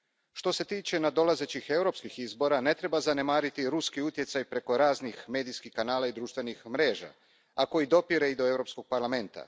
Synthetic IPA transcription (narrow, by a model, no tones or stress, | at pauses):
ʃt̪o̞se̞t̪iːt͡ʃe̞nad̪o̞laze̞t͡ɕixe̞wɾo̞pskixizbo̞ɾane̞t̪ɾe̞bazane̞maːɾit̪iɾuskiut̪je̞t̪sajpɾe̞ko̞ɾaːznixme̞ːd̪ijskixkanaːlaid̪ɾuːʃt̪ʋe̞nixmɾe̞ːʒa̰ | ako̞jid̪o̞piɾe̞id̪oe̞vwɾo̞psko̞ɡ̥̚paɾlˠame̞nt̪a̰